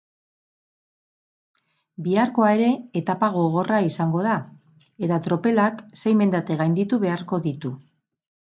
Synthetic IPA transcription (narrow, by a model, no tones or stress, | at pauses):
biaɾko̞ae̞ɾe̞ːt̪apaɣ̞o̞ɣ̞o̞raisaŋɡo̞ð̞a | e̞t̪at̪ɾo̞pe̞lakse̞jme̞nd̪at̪e̞ɣajnd̪it̪uβe̞aɾko̞ðit̪u